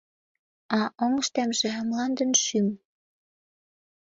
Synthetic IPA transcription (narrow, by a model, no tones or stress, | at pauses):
ɑʔoŋə̆ʃt̪æmʒĕmlɑnd̪ə̆nʃym